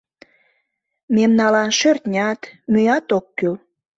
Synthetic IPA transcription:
memnɑlɑnʃørt̪nʲɑt̪myjɑt̪okːyl

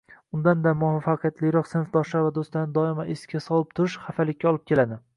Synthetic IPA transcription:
ʊnd̪and̪amʊvafːaqʰɨjat̪lɪjɾɒqsɪnfd̪ɒʃlaɾvad̪ost̪anɪd̪ɒɪmaʔeskʲʰasɒlˠɪp̚t̪ʰʊɾɪʃχafalɪkʲːaɒlˠɪp̚kʲe̞lad̪ɪ

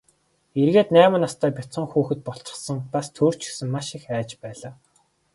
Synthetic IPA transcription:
erɣeːt̪næːmɘ̆nast̪ʰæːpʲɔt͡sə̆ŋxuːxɘ̆t̪̚pɔɬt͡ɕə̆sə̆ŋpast̪ʰuːr̥t͡ɕɪ̆xsɘ̆ŋmaʃixæːt͡ɕpæːɮaː

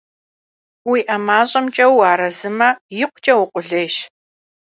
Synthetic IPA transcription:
wiːʔɐmaːɕʼɐmt͡ʃʼɐwaːɾɐzɨmɐjɪqʷʊt͡ʃʼɐwʊqʷʼʊɮeːʃ

